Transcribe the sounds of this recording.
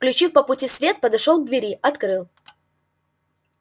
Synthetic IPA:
klʲʉt͡ɕifpəpʊtʲisvʲe̞t̪̚pəd̪ɐʂolˠɡd̪vʲɪɾʲiɐt̪kɾɨlˠ

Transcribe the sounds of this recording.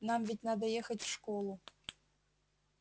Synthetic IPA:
nɑmvʲitʲnɑd̪ɐjexə̆tʲfʂkolˠu

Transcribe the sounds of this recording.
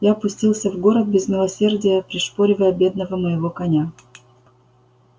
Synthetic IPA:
japʊsʲtʲilˠsʲəvɡo̞ɾət̪̚bʲɪzmʲɪlˠɐsʲe̞rdʲɪjəpɾʲɪʂpoɾʲɪvəjəbʲe̞d̪̚nəvəməjɪvo̞kɐnʲa

